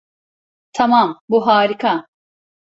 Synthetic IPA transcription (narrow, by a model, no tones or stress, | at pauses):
t̪ʰɐmambuɦaːɾikʰa